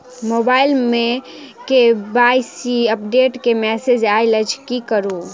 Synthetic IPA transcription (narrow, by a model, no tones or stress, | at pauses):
mobailme | kebajsiəpɖeʈkemɛsed͡ʒajləd͡ʒʰkikəɾu